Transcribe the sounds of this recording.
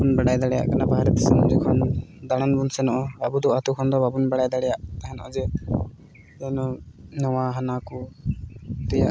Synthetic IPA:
bunbɛɽajd̪aɽɛja̰ʔkanabaɦaɾɛt̪asɛnd͡ʒɛkʰɔnd̪aɽ̃anbunsɛnɔʔɔabud̪ɔat̪ukʰɔnd̪ɔbabunbɛɽajd̪aɽɛjaʔt̪aɦɛnɔ̰ʔɔ̰d͡ʒɛ | ɔnɔnɔwaɦanakɔ | t̪ɛja̰ʔ

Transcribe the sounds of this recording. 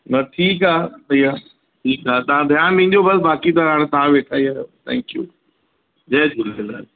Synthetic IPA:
nɐʈʰiːkaːt̪ɐiaː | ʈʰiːkaːt̪aãd̪ʱɐjãmɪ̃ɦɪ̃ɲd͡ʑobɐsbaːkit̪ɐɦãːɽ̃t̪aãʋeːʈʰaːiaːjoːt̪ʰɛ̰̃ːŋkjṵː | d͡ʑɛːd͡ʑʊlɪla̰ː

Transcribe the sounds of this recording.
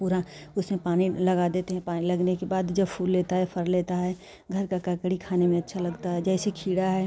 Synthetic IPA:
puːɾaʊsmẽpaːnilɐɡad̪eːt̪eɦɛ̃paːnilɐɡnekebaːd̪d͡ʒɐbpʰuːlːeːt̪aɦɛpʰɐɾleːt̪aɦɛː | ɡʱɐɾkakakɽikʰaːnemẽɐtːʃʰalɐɡt̪aɦɛd͡ʒɛːsekʰiːɽaɦɛ

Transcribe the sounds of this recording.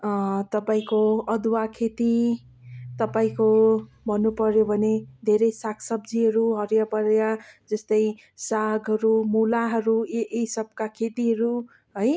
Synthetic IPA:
t̪ʌpaĩkoʌd̪wakʰet̪i | t̪ʌpaĩko | bʱʌnːupʌɾjobʱʌned̪ʱeɾʌjsakʰsʌbd͡ziɦʌɾuɦʌɾjapʌɾjad͡zʌst̪ʌj | saɡʌɾumulaɦʌɾuʔejsʌb̚kakʰet̪iɦʌɾu | ɦʌj

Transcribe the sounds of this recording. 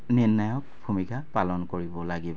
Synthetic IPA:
ninːajɔk̚b̥ʱumikʰapalɔnkoɹibɔlaɡibɔ

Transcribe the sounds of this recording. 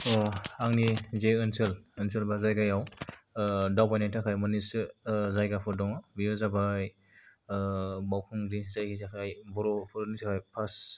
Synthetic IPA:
ɔaŋnizeɯnsɯlɯnsɯlbazajɡajaw | dawbajnajtʰakʰajmɯnisɯzajɡapʰɔdɔŋabijɔzabaj | bawkʰuŋdizajkʰitʰakʰajbɔɾɔpʰɔɾnitʰakʰajpʰas

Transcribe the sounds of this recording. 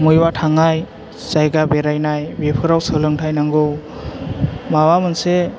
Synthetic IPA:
mujwatʰaŋaj | sajɡabeɾajnajbepʰɯɾawsɯlɯŋtʰajnaŋɡɯw | mawamɯnse

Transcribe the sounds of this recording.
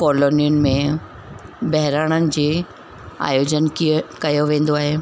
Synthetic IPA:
kɔːloːnijʊnɪ̆mẽ | bɐɦɪɾaːɽ̃ənɪ̆d͡ʑeː | a̰ːjoːd͡ʑənkiəkɐjoʋẽːn̆d̪oaːɦeː

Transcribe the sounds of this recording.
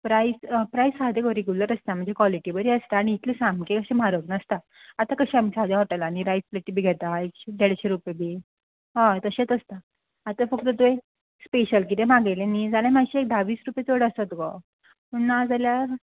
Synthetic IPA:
pɾaispɾaisɦad̪eɡoɾeɡjuləɾəst̪am̤əɳnd͡zekʋaliʈibəɾiəst̪aaɽ̃iːt̪ʰlisãmkekəɕẽmaɾoɡnəst̪a | at̪akəɕiamisad̪ãɦoʈalaːñiɾajspleʈːibʱiːɡʱɛt̪aekɕid̪ʱeɽɕeɾupebʱiː | ɦãt̪əɕet̪əst̪aː | t̪afək̚t̪ət̪ue | speɕəlk̬it̪emaɡejlẽnid͡zalamaɕiek̚d̪ʱaʋiːsɾupjet͡soɽəsat̪ɡɔ̰ | unːad͡zalja

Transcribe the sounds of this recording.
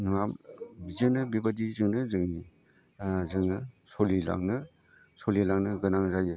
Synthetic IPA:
nmambizɯnɯbibadizɯŋnɯzɯŋi | zɯŋɯsolila̰ŋnɯ | solilaŋnɯɡɯnaŋzajɯ

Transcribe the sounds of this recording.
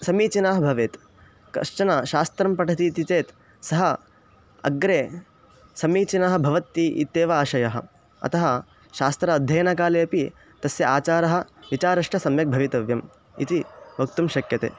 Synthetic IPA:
sɐmiːt͡ʃinaːɦɐbʱɐʋeːt̪ | kɐ̰t͡ʃɐnɐʃaːst̪ɾɐmpɐʈʰɐt̪iːt̪it̪eːt̪ | sɐɦɐ | ɐ̰ɡɾeː | sɐmiːt͡ʃinaːɦɐ̆bʱɐʋɐt̪ːiʔḭt̪ːeːʋɐaːʃɐjɐɦɐ̰̆ | ɐ̰t̪ɐɦɐ | ʃaːst̪ɾɐːd̪ʱjɐjɐnɐkaːleːɐpi | t̪ɐsjɐaːt͡ʃaːɾɐɦɐ̆ʋit͡ʃaːɾɐʂʈɐsɐmjɐk̚bʱɐʋit̪ɐʋjɐm | ḭt̪ibʱɐkt̪umʃɐkjɐt̪ḛː

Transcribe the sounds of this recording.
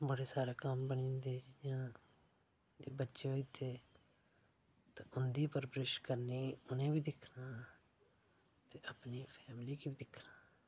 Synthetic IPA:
bəɽeːsaːɾeːkəmbəɳ̃ĩːnd̪eːd͡ʒjãː | d͡ʒeːbətːʃeːɦoiːt̪ʰeː | t̪ãːʔʊnd̪iːpəɾpɾɪʃkəɾniːʊnẽːbiːd̪ɪkʰnaː | t̪eːəpniːpʰɛːmliːkiːbid̪ɪkʰnaː

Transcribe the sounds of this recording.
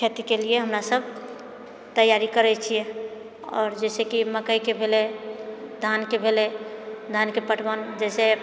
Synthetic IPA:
kʰet̪ikelieɦəmɾasəb̚ʱ | t̪əjːaɾikəɾɛt͡ʃʰije | ɔ̰ːɾd͡ʒɛɪsekiməkəjkebʱele | d̪ʱankebʱeled̪ʱankepəʈʰbənd͡ʒɛse

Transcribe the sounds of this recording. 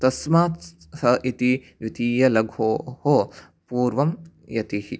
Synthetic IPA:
t̪ɐsmaːt̪ | sɐʔit̪i | jut̪iːjɐlɐɡʱoːho | puːɾʋɐm | jɐt̪ihi

